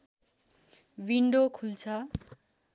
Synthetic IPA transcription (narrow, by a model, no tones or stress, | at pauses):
wiɳɖokʰult͡sʰʌ